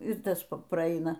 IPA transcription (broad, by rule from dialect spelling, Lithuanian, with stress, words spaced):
ɪr ˈtɐs prɐˈɐɪnɐ